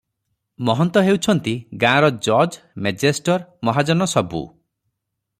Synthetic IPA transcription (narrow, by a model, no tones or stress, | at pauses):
mɔɦɔnt̪ɔɦewt͡ʃʰɔnt̪iɡãɾɔd͡ʒɔd͡ʒ | med͡ʒesʈɔɾmɔɦad͡ʒɔnɔsɔbṵ